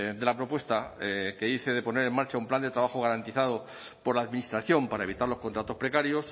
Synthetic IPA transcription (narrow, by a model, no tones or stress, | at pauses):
d̪e̞lapɾo̞pwe̞st̪ake̞iθe̞ðe̞po̞ne̞ɾe̞maɾt͡ʃaumpland̪e̞t̪ɾaβaxoɣ̞aɾant̪iθað̞o | po̞ɾlaːðminist̪ɾaθjo̞mpaɾaeβit̪aɾlo̞skont̪ɾat̪o̞spɾe̞kaɾjos